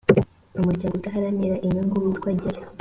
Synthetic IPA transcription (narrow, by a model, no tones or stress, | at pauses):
umuɟaɡutaɦaɾaniɾaʔiɲoŋɡuwikwaɟiɾa